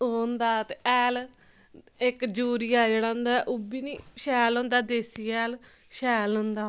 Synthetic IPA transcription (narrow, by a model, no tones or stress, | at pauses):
ond̪aːt̪eɛːl | ɪkd͡ʒuːɾiːaːd͡ʒəɽãːnd̪aːʔubiːniːʃɛːlõːnd̪aːd̪eːsiːɛːl | ʃɛːlõːnd̪aː